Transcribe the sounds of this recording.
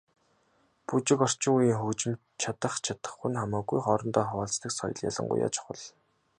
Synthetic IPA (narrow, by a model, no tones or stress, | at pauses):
put͡ɕɪ̆kɔr̥t͡ɕɪ̆ŋujiːŋxut͡ɕɪ̆m | t͡ɕʰat̪ə̆χt͡ɕʰat̪ə̆χːunχamaːɡujχɔːɾɞ̆nt̪ɔːχɔːɮt͡st̪ə̆ksɔ̰jɞ̆ɮja̰ɮə̆ŋɢʊ̰ja̰ːt͡ɕʰʊ̥χə̰̆ɮ